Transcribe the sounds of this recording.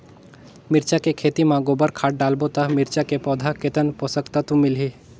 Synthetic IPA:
mɪɾt͡ʃakekʰeːt̪imãɡobəɾkʰaːʈ̚ɖaːlbot̪amɪɾt͡ʃakepɔːd̪ʱaket̪ənpoːsəkt̪at̪ũmɪlɦiː

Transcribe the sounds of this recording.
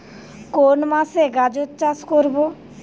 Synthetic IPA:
konmaseɡad͡ʑotːt͡ʃaskoɾbo

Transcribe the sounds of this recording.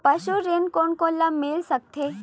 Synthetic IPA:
pɐʃuɾeːnkoːnkolɐbmɪlsɐk̚t̪ʰe

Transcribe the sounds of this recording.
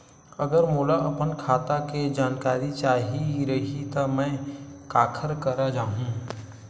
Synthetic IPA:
ɐɡəɾmuːlaʔɐpənkʰaːt̪aked͡ʒaːnkaːɾit͡ʃaːɦiɾɐɦit̪amɛ̃kaːkʰəɾkɐɾad͡ʒaːɦũː

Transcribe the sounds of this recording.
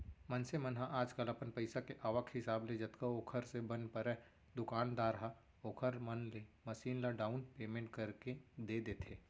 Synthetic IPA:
mɐnsemɐnɦãʔaːd͡ʒkəlɐpənpɐɪsakeʔaːʋəkʰhɪsaːbled͡ʒɐt̪kaoːkʰəɾsebɐnpɐɾɛ | d̪ʊkaːnd̪aːɾɦa | oːkʰəɾmɐnlemɐʃiːnlaɖaːʊnpeːmẽːɳʈ̚kɐɾked̪eːd̪eːt̪ʰeː

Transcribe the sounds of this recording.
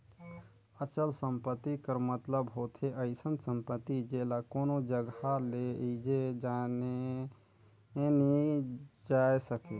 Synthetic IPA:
ət͡ʃəlsəmpət̪ːikəɾmət̪ləbɦot̪ʰeʔəɪsənsəmpət̪ːid͡ʒelakoːnod͡ʒəɡaled͡ʒed͡ʒane | nid͡ʒaesəke

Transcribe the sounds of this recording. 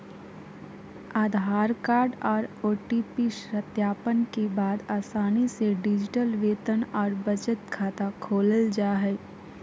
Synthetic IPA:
aːd̪ʱaːɾkaːɾɖɔːɾoːʈiːpiʃɾət̪jaːpənkebaːd̪aːsaːniseɖɪd͡ʒɪʈəlʋeːt̪ənɔːɾbəd͡ʒət̪kʰaːt̪akʰoːləld͡ʒaːɦɛː

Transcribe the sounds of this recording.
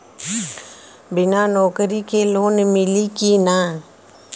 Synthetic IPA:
bɪnanɔːkəɾikeloːnmɪlikinãː

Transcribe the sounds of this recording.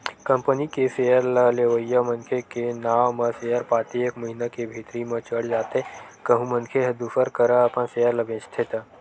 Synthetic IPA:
kɐ̃mpənikesejəɾləleʋəjːəmənkʰekenaːwmə̃sejəɾpaːt̪iekməɦinakebʱiːt̪ɾimə̃t͡ʃəɽd͡ʒaːt̪ekɐɦũmənkʰeɦɐd̪ufʰəɾkəɾaəpə̃nseːjəɾlɐbẽːt͡ʃt̪ʰet̪ː

